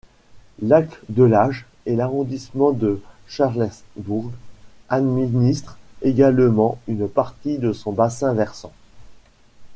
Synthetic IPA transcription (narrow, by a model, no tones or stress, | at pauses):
lakd̪əlaʒ | ɛlaʁɔ̃d̪ismɑ̃d̪ə | ʃaʁlɛbuʁɡad̪minist̪χeɡalmɑ̃ynpaʁt̪id̪əsɔ̃basɛ̃vɛʁsɑ̃